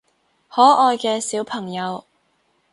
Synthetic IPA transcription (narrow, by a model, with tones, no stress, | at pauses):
hɔː˨˥ʔɔː˧jkɛː˧siː˨˥wpʰɐ˨˩ŋjɐ˨˧w